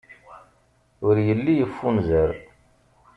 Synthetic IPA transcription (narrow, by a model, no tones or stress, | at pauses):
ʊɾjəlːijəfːunzəɾ